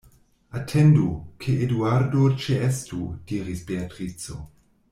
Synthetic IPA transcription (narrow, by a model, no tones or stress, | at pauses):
atʰendukʰeʔeduaɾdot͡ʃeestud̥iːɾisbeatʁit͡so̰